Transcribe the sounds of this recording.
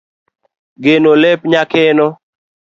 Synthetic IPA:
ɡenolɛpɲakenɔ

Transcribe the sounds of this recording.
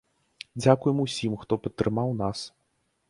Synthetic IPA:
d͡zʲakujɛmusʲimxt̪ɔpɐt̪ːɾɨmawnas

